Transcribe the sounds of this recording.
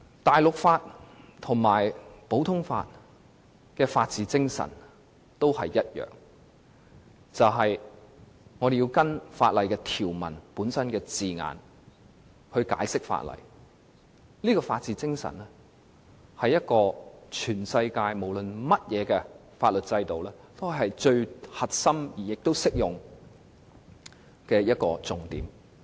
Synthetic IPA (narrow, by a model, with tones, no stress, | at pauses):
t̪aː˨jlʊ˨k̚faː˧t̚t̪ʰʊ˨˩ŋmaː˨˩jpo˨˥wt̪ʰʊ˥ŋfa̰ː˧t̚ | kɛː˧faː˧t̚t͡siː˨˧t͡sɪ˥ŋsɐ̰˨˩n | t̪o˥whɐ˨jːɐ˥t̚jœ̰ː˨˩ŋ | t͡sɐ˨wɦɐ˨j | ŋɔː˨˧ɾe˨ji˧wkɐ˥nfa̰ː˧t̚lɐ˨jkɛː˧t̪ʰiː˨˩wmɐ̰˨˩npuː˨˥nsɐ˥nkɛː˧t͡siː˨ŋa̰ː˨n | hɵ˧ɥka̰ː˨˥jsɪ˥k̚fa̰ː˧t̚lɐ̰˨˩j | liː˥kɔː˧faː˧t̚t͡siː˨˧t͡sɪ˥ŋsɐ̰˨˩nlɛ˥ | hɐ˨jɐ˥t̚kɔː˧t͡ʃʰyː˨˩nsɐ˧jkaː˧jmo˨˩wlɵ˨nmɐ˥t̚jɛː˨˧kɛː˧ | faː˧t̚lɵ˨t̚t͡sɐ˧jt̪o˨wlɛː˥ | t̪o˥˨ɦɐ˨jt͡ʃɵ˧ɥhɐ˨t̚sɐ˥mjiː˨˩jɪ˨k̚t̪o˥wsɪ˥k̚jʊ˨ŋ | kɛː˧jɐ˥t̚kɔː˧t͡sʊ˨ŋt̪iː˨˥m